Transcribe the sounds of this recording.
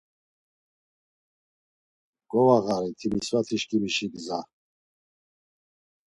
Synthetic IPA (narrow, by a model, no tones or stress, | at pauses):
ɡ̥ʼɔvaɣaɾit̪ʰimisvat̪ʰiʃkʼimiʃiɡza